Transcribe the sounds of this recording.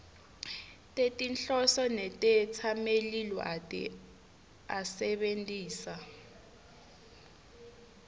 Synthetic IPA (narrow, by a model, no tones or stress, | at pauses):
tʼetʼinɬɔsɔnɛtʼɛt͡sʰamelilɔʔatʼ | asɛɓentʼiːsa